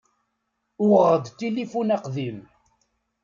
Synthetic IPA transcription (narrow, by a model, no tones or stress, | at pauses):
ʊʁʁəd̪t̪ilifunɑqðim